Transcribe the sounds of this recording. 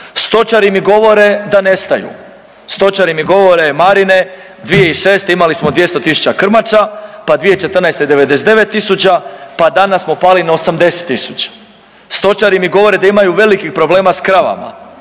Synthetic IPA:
st̪o̞t͡ʃaɾimiɡo̞ʋo̞ɾe̞d̪ane̞st̪ajṵ | st̪o̞t͡ʃaɾimiɡo̞ʋo̞ɾe̞maɾine̞ | d̪ʋijeiʃe̞ːst̪eimalismo̞d̪ʋje̞st̪o̞t̪isu̥t͡ʃt͡ɕakr̩mat͡ʃapad̪ʋijet͡ʃe̞t̪ərnajst̪eid̪e̞ʋe̞d̪e̞s̬d̪e̞ʋe̞t̪ːisut͡ɕapad̪anasmopaːlinaosamd̪e̞se̥t̪ːisut͡ʃḁ | st̪o̞t͡ʃaɾimiɡo̞ʋo̞ɾe̞d̪aimajuʋe̞likixpɾo̞ble̞ːmaskɾaʋa̰ma̰

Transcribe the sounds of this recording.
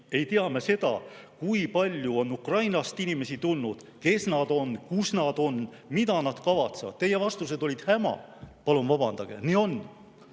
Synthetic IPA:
e̞jt̪iɑme̞se̞d̪̥ɑ̰kuipɑlʲjuo̞nːukrɑjnɑst̪inime̞sit̪ulnud̪̥ | ke̞snɑd̪̥o̞nkusnɑd̪̥o̞n | mid̪̥ɑnɑd̪̥kɑvɑt̪sevɑ̰d̪̥̚t̪e̞je̞vɑst̪us̬e̞d̪̥o̞lʲid̪̥hæmɑ̰pɑlumvɑbɑnd̪̥ɑɡ̥e̞̰nio̞n

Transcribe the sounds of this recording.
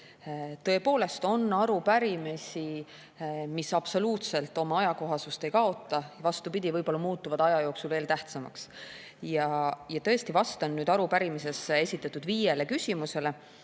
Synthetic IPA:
t̪ɤ̞e̞po̞ːle̞st̪o̞nːɑɾupæɾimesʲi | misɑb̥so̞luːt̪se̞lt̪ːˑo̞mɑɑjɑko̞ɦɑsust̪e̞jkɑo̞t̪ˑːɑvɑst̪upid̪̥ʲivɤjb̥o̞lːɑmuːt̪ːˑuvɑd̪̥ɑjɑjo̞ːksulveːlt̪æht̪sɑmɑ̰ks | jɑjɑt̪ɤ̞e̞st̪ivɑst̪ɑnnyːd̪̥ɑɾupæɾimis̬e̞se̞sʲit̪ːˑɑt̪ːˑud̪viːje̞le̞kysʲimuse̞le̞

